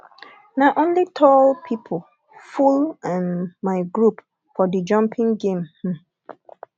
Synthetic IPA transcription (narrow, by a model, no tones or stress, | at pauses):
naɪʔõnlitʰɔlpʰipʰol | fulãnmaɪɡɹup | fɔdəd͡ʒʌ̃mpʰĩŋɡẽmh̩